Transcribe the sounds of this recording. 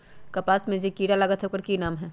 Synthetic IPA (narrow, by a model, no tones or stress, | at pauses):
kɐpaːsmẽd͡ʒikiːɾalɐɡət̪ɦɛkəɾkinaːmɦɛː